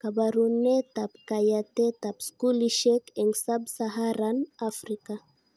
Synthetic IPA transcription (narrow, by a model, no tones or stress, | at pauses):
kabaɾunet̪apkajat̪et̪apskuliʃekɛŋɡsabsaɦaɾanafɾika